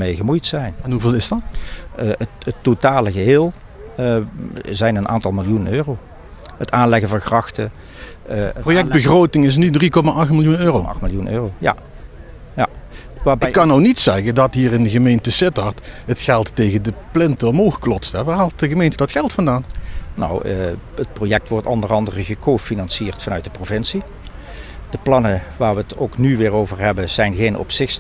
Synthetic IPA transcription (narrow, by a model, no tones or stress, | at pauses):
mejɣəmujtsɛjnɛnɦuveːlˠɪsdɑt | ətətːotaːləɣəɦɪːlˠ | zɛjnənʔa̰ːntɑlˠmɪlˠjunənøːrow | ətaːnlɛɣəvɑnxrɑxtə̰ | projɛk̚bəɣrowtɪŋɪs̬nydrikɔmaʔɑxtmɪlˠjunøːromɪlˠjunø̰ːroja̰ | ja̰ | ʋaːbɪkːɑnownitsɛɣədɑtɦiːrɪndəɣəmejntəsɪtɑɹtətxɛlˠtːejɣədəplɪntəɔmowxklɔtstɛʋaːɹɦaːlˠt̚dəɣəmejntədɑtxɛlˠtfɑndaːnno̰wət̚projɛk̚tʋɔɹtɔ̰ndərɑndərəɣəkʰoːfinɑnsiːɹtfɑnœɥt̚dəprovɪnsi | d̥əplɑnəʋaːɹʋətowknyʋɪːɹowvəɹɦɛbəzɛjnɣejnɔ̰psɪx